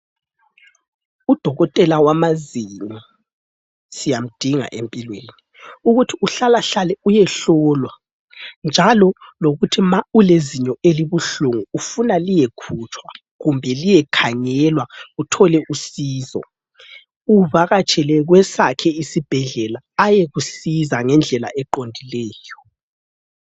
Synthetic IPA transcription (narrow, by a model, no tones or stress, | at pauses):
ud̥ʱɔɣɔtʼɛlawamazimu | sijam̩d̥ʱiŋa̰ʔḛmpʼilweːni | uɣutʰiuɬalaɬalɛujɛɬɔlwa | nd͡ʒʱalɔloɣutʰimauleziɲɔeliβuɬuŋuːfunalijekʰut͡ʃʰʼwa | ɣumbʱɛlijɛkʰaŋɛlwautʰɔlɛʔusiːzɔ̰ | uβaɣat͡ʃʼɛlɛɣwɛsakʰɛisib̥ʱɛɮɛlaːjɛɣusizaŋɛnd͡ɮʱɛla̰ʔɛǃondʱilɛːjɔ